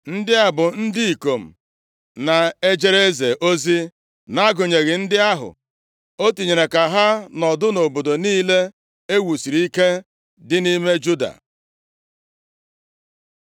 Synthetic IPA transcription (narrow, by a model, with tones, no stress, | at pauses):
n̩˦dɪ˦a˨bʊ˨n̩˦di˦i˨ko˨m̩˨ | na˨e˦d͡ʒe˦ɾe˦ze˨ʔo˦zi˦ | na˦ɡʊ˨ɲe˨ɣɪ˨n̩˦dɪ˦a˦ɦʊ̰˨ | o˦ti˨ɲe˨ɾe˨ka˨ɦa˦nɔ˨dʊ˦no˨bo˨do˨niː˦le˦ | e˦wu˨si˨ɾi˦ke˦ | dɪ˦ni˦me˦d͡ʒu˦da̰˨